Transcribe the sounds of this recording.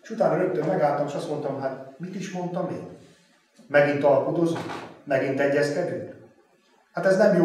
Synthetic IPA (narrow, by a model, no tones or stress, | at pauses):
eʃut̪aːnɒɾøp̚t̪ːømmɛɡaːlt̪ɒmeːʃɒst̪mo̞nt̪ɒmɦat̪mit̪iʃmo̞nt̪ɒmḛːn | mɛɡint̪ɒlkod̪o̞zuŋmɛɡint̪ɛɟːɛskɛd̪yk | hat̪ɛznɛmjoː